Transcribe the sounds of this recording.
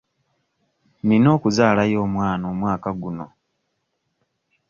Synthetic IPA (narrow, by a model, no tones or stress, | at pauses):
nino̞ːkuzaːlajo̞ːmwaːnoːmwaːkaɡuno̞